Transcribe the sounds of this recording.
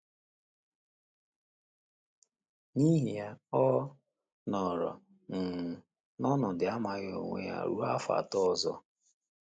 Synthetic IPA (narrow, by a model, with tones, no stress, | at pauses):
ni˦ɦi˨a˦ɔ˦ | nɔ˨ɾɔ̰˨ | n̩˨ | nɔ˦nʊ˨dɪ˨a˦ma˨ɣo̰˨ŋʷḛ˨ja̰˨ɾu˦a˦fa̰˨tɔ˦˨zɔ̰˦